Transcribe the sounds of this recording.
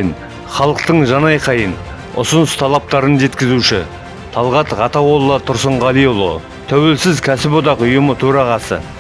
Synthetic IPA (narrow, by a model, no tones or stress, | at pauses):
n | χɑlˠəq̚t̪əɴʒɑnɑjqʰɑjən | ʊ̰sʊnəst̪ʰɑlˠɑp̚t̪ɑɾənʒe̞t̪kʲɪzuʃɪ | t̪ʰɑlˠʁɑt̪ʁɑt̪ɑwo̞lˠːət̪ʰʊɾsəɴʁɑlˠijolˠo̰ | t̪ʰæwe̞lsɪzkʲʰæsɪpod̪ɑqʊjʊmət̪ʰɵɾɑʁɑsə̰